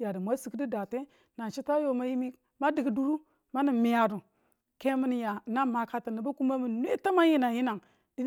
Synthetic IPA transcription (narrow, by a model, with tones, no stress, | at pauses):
ja˨də˨mʷa˦si˨kdi˦da˨te˦ | na˨t͡ʃi˦ta˦jo˨ma˦ji˦mi˦ | ma˦di˨ɡi˨du˦ɾu˦ | ma˦ni˨mi˨ja˨du˨ | ke˦mi˦n˨ja˨na˦˨ma˨ka˦ta˨ni˨ba˦ku˦ma˦mi˨n˦e˦ta˦ma˦ji˦na˨ji˦na˨ŋ | di˦